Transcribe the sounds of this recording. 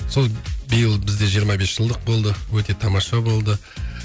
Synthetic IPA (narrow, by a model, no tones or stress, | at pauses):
so̞lˠbijəlˠbɪzd̪e̞ʒijəɾmɑbe̞sʒ̥əlˠd̪əq̚bo̞lˠd̪əwɵt̪e̞t̪ʰɑmɑʃɑbo̞lˠd̪ə